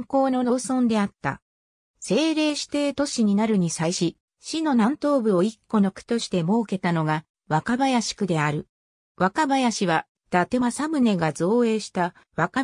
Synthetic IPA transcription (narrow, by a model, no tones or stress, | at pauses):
ŋko̞ːno̞nosõ̞nd̪e̞at̪ːa̰ | se̞ːɾe̞ːɕi̥t̪e̞t̪o̞ɕiɲ̟inaɾɯ̟ɲ̟isaiɕi | ɕino̞nãnt̪o̞ːbɯ̟o̞ikːo̞no̞kɯ̥t̪o̞ɕi̥t̪e̞mo̞ːke̞t̪ano̞ɡa | βakabajaɕi̥kɯ̟d̪e̞aɾɯ̟ | βakabajaɕiβa | d̪̥at̪e̞masamɯ̟ne̞ɡazo̞ːe̞ːɕi̥t̪a | βaka